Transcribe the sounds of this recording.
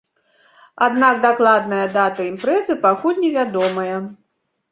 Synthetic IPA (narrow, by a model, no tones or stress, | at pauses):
ad̪nakd̪aklˠad̪nɐjɐd̪at̪ɐimpɾɛzɨpakulʲnʲɛvʲad̪ɔmɐjɐ